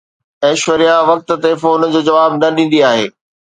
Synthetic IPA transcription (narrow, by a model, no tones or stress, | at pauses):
ɛːʃʋəɾijaʋɐk̚t̪ə̆t̪efoːnd͡ʑoːd͡ʑɐʋaːbnɐɗĩːn̆d̪iaːɦḛː